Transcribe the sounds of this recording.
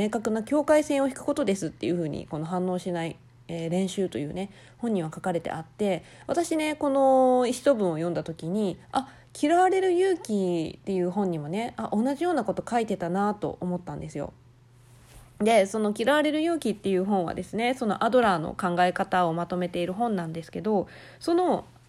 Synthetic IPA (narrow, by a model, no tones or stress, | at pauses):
e̞ːkakɯ̟nokʲo̞ːkaisẽ̞ɰ̃o̞çi̥kɯ̟̥ko̞t̪o̞d̪e̞sɨt̪ːe̞jɯ̟ɸɯ̟ːɲ̟ḭko̞no̞ɦãnːo̞ːɕinai | eːɾẽ̞ɰ̃ɕɨːt̪o̞̰jɯ̟̰ːne̞ | hõɲ̟ːiβ̞akakaɾe̞t̪e̞̰at̪ːe̞ | βat̪aɕine̞ko̞no̞iɕi̥t̪o̞bɯ̟̃ɰ̃o̞jõ̞nd̪at̪o̞kʲiɲ̟ia | kʲiɾaβaɾe̞ɾɯ̟jɯ̟ːkʲit̪ːe̞jɯ̟ːɦõ̞ɲ̟imo̞ne̞aʔo̞nːaʑijo̞ːnako̞t̪o̞kait̪e̞t̪anat̪o̞̰ʔomo̞t̪ːãnd̪e̞sɨjo̞̰ | d̪e̞so̞no̞kʲiɾaβaɾe̞ɾɯ̟jɯ̟ːkʲit̪ːe̞jɯ̟ːɦõ̞ɰ̃β̞a̰d̪e̞sɨne̞so̞no̞̰ʔad̪o̞ɾaːno̰kãŋɡae̞kat̪ao̞mat̪o̞me̞t̪e̞iɾɯ̟ɦõ̞nːãnd̪e̞sɨ̥ke̞d̪o̞ | so̞no̞